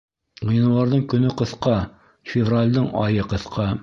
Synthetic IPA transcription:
ʁɤ̆jnɤ̆lˠɑɾðɤɴkɵ̆nɵqɤ̆θqɑ | fʲɪvralʲd̪ɤɴɑjɤqɤ̆θqʰɑ

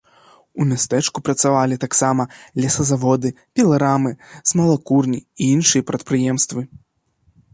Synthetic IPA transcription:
umʲast̪ɛt͡ʂkupɾɐt̪savalʲit̪aksamɐlʲɛsɐzavɔd̪ɨ | pʲɛlˠaɾamɨz̥mɐlˠakurnʲiːinʂɨjɐpɾɐt̪̚pɾɨjɛmst̪vɨ

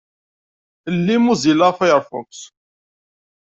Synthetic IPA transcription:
əlːimuzilaʁfæjəɾˤfʊ̰ks

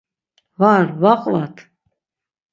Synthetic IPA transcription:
vaɾvaqʼlat̪ʰ

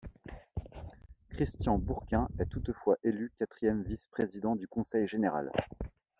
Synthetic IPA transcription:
kχist̪jɑ̃buʁkʲɛ̃ɛt̪ut̪fwaʔelykʲat̪χijɛmvispχezid̪ɑ̃d̪ykɔ̃sɛjʒeneʁa̰l

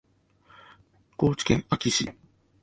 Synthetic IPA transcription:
ɡ̥oːt͡ɕi̥kẽŋakʲiɕḭ

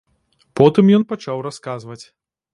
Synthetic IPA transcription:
pɔt̪ɨmjɔnpat͡ʂawɾaskazvɐt͡sʲ

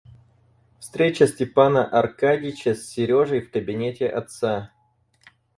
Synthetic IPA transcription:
fst̪ɾʲet͡ɕəsʲtʲɪpanəʔɐrkadʲɪt͡ɕəsʲːɪɾʲo̞ʐəjfkəbʲɪnʲetʲɪʔɐt̪sa

